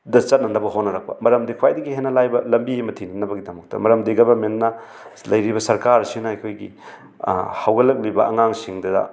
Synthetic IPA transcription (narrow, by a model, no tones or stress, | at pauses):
dɐt͡ʃɐt̚nɐnɐbɐɦotnɐɾɐk̚pɐ̰mɐɾɐmdikʰuwajdɐɡihenːɐlajbɐlɐmbiemɐtʰinɐnɐbɐɡidɐmɐk̚tɐ̰mɐɾɐmdiɡɐbɐmenːɐ | lɐjɾibɐsɐɾkaɾsinɐɐjkʰojɡḭ | hawɡɐlɐk̚libɐɐŋaŋsiŋdɐdɐ̰